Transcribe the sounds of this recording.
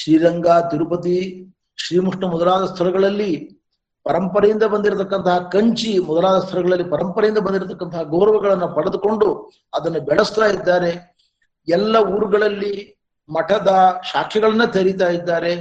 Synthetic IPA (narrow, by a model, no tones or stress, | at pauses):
ʃɾiːɾɐŋɡaːt̪iɾupɐt̪̬i | ʃɾiːmuʂɳɐmɔd̪ɐlaːd̪ɐst̪ʰɐlɐɡɐɭɐlːi | pɐɾɐmpɐɾɐjind̪ɐbɐnd̪iɾɐt̪ɐkːɐnt̪ɐɦɐkɐɲt͡ʃimɔd̪ɐlaːd̪ɐst̪ʰɐlɐɡɐɭɐlːipɐɾɐmpɐɾɐjind̪ɐbɐnd̪iɾt̪ɐkːɐnt̪ɐɦɐɡoːɾɐʋɐɡɐɭɐnːupɐɽed̪uko̞ɳɖu | ɐd̪ɐnːubɛɭɐst̪aːjid̪ːaːɾe̞ | ɛlːɐuːɾuɡɐɭɐlːi | mɐʈɐd̪ɐʃaːkʰɛɡɐɭɐnːɐt̪ʰɐɾit̪̬aːjid̪ːaːɾe̞